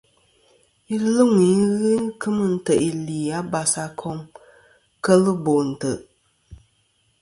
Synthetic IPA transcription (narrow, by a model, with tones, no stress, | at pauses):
i˦lɨ˦ŋʷiː˨˦ɣɨ˦kʰɨ˦mɨ˦n̩˦tə˨ʔi˨liː˨a˦ba˨sa˦kʰɔ˦ŋ | kə˦lɨ˦bo˨n̩˨tɨ˨